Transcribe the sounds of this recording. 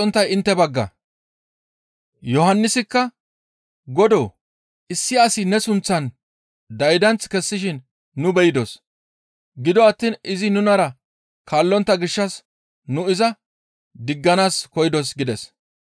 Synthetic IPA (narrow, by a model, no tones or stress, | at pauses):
ɔnt̪ːɐjɪnt̪ːɛbɐɡːɐ̰ | jɔɦɐnːɪsɪkːɐ | ɡɔd̪oː | ɪsːɪɐsɪnɛsʊnt͡sːɐn | d̪ɐjd̪ɐnt͡skɛsːɪʃ̬ɪnː | ʊbɛjɪd̪os | ɡɪd̪ɔɐt̪ːiːnʔɪzɪnʊnɐɾɐ | kaːlːɔnt̪ːɐɡɪʃːɐs | nʊɪzɐ | d̪ɪɡːɐnaːskɔjɪd̪ɔs̬ɡɪd̪ɛs